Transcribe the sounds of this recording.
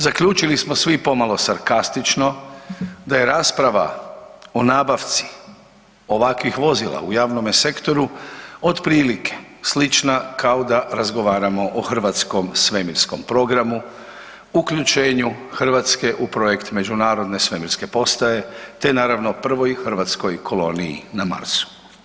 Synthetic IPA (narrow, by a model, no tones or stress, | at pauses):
zakʎuːt͡ʃilismo̞sʋipo̞malo̞saɾkast̪it͡ʃno̞ | d̪aje̞ɾaːspɾaʋa̰o̞naːbaʋt̪si̥ | o̞ʋakʋixʋo̞zila̰ṵjaːʋnomese̞kt̪o̞ɾuo̞d̪pɾiːlikʰe̞̥slit͡ʃnakʰaod̪aɾazɡo̞ʋaːɾamo̞ʔoxr̩ʋat̪sko̞msʋe̞miɾsko̞mpɾo̞ɡɾamu | ukʎut͡ʃe̞ːɲuxr̩ʋat̪ske̞ʔupɾo̞je̞kt̪me̞d͡ʑunaːɾo̞d̪ne̞sʋe̞miɾske̞po̞st̪ae̞t̪e̞naːɾaʋno̞pr̩ʋo̞jxr̩ʋat̪sko̞jkʰo̞lo̞niḭnama̰ɾt̪su̥